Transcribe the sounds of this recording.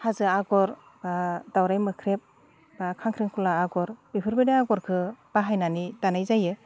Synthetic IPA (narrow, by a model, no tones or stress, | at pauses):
hazɯaɡɔɾ | adawɾajmɯkʰɾep̚ | akʰaŋkʰɾiŋkʰulaːɡɔɾb̥ipʰɯɾbedaaɡɔɾkʰɯb̥aɦajnanidanajzajɯ